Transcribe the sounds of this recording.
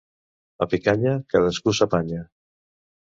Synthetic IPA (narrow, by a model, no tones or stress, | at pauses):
apikaɲəkaðəskusapaɲa